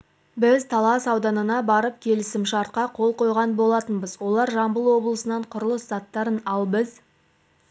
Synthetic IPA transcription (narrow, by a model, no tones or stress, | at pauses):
bɪzt̪ʰɑlˠɑsɑwd̪ɑnənɑbɑɾəp̚kʲʰe̞lɪsɪmʃɑɾt̪̚qɑqʰo̞lˠqo̞jʁɑnbo̞lˠɑt̪ənbəzwo̞lˠɑɾʒɑmbəlˠwo̞blˠəsənɑɴqʰʊɾəlˠəszɑt̪ːɑɾənɑlˠbəz